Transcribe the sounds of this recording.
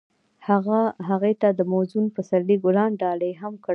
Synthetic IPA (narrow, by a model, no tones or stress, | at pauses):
haɣaɦaɣet̪ad̪əmozunpəsaɾliɡʊlɑnɖɑləjɦamk